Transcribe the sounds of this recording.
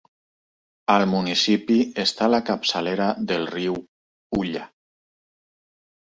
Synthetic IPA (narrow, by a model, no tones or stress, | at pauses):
almunisipiest̪alakapsaleɾaðelˠriw | uʎa